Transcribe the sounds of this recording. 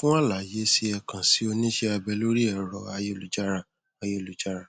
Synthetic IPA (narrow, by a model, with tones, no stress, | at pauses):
fũ˦ã˦la˨je˨˦si˧˦ɛ˧kã˨si˨˦o˧nĩ˦ʃe˦a˧bɛ˧lo˦ɾi˦ɛ˨ɾɔ˧˨a˧je˦lu˨d͡ʒa˦ɾã˨ | a˧je˦˨lu˨d͡ʒa˦ɾã˨